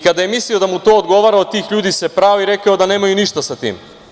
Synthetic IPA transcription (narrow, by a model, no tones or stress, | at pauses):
kad̪aje̞misliod̪amut̪o̞ːod̪ɡo̞ʋaːɾaot̪iːxʎuːd̪isepɾaːoiɾe̞kaod̪ane̞ːmajuniʃt̪asat̪ḭːm